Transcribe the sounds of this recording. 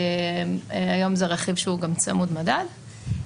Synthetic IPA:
ajo̞mzeʁeχivʃeuɡamt͡samudmadad

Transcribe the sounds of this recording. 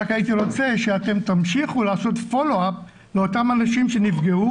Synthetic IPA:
akait̪iʁo̞t͡se̞ʃeat̪e̞mt̪amʃiχulaːso̞t̪fo̞lo̞ap̚ | leo̞tamanaʃimʃe̞nifɡe̞u

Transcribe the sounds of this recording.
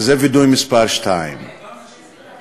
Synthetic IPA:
zɛvɪd̪ɔjmɪspaɾʃt̪ʰaɪm

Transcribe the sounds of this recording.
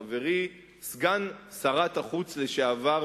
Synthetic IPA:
veʁi | sɡansaʁataχut͡sle̞ʃeava

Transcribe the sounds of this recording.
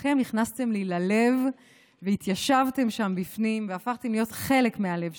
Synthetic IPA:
χe̞mniχnast̪e̞mlilale̞v | veit̪jaʃavt̪e̞mʃambifnimveafaχt̪e̞mlijo̞t̪χe̞le̞kmeale̞v

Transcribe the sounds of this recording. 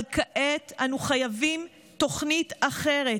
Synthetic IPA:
lkaʔet̪ʔanuχajavim | to̞χnitaχeʁe

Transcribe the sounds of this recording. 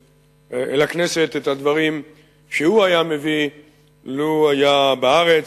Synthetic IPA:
elakne̞set̪et̪had̪vaʁim | ʃeuajame̞vi | loajabaaʁe̞t͡s

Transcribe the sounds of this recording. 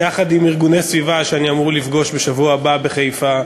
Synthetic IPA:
aχad̪imiʁɡunesvivaʃeaniamuʁlifɡo̞ʃbeʃavuababe̞χejfa

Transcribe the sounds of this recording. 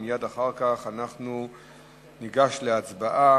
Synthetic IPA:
mijad̪aχaʁkaχanaχnu | niɡaʃleat͡sbaʔa

